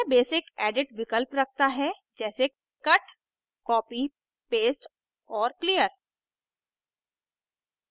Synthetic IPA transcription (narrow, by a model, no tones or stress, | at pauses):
beːsɪkɛːɖɪʈʋɪkəlpɾɐk̚ʰt̪aɦɛ | d͡ʒɛːse | kɐʈ | kɔːpi | peːsʈ | ɔːɾklijəɾ